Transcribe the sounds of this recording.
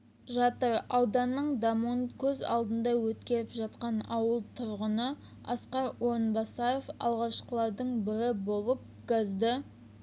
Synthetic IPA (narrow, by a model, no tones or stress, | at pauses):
ʒɑt̪əɾɑwd̪ɑnːəɴd̪ɑmonkʲʰɵzɑ̰lˠd̪ənd̪ɑwɵt̪kʲe̞ɾɪpʒɑt̪qɑnɑwəlˠt̪ʰʊɾʁənə | ɑ̰sqɑɾwoɾənbɑsɑjofɑ̰lˠʁɑʃqəlˠɑɾd̪əɴbɪɾɪbo̞lˠəp̚ɡ̥ɑzd̪ɪ